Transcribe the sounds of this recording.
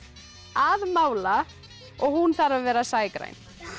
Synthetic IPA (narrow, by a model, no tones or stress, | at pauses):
aðmaːwla | ɔɣhunθaɾavvɛːɾasaːjkɾa̰jn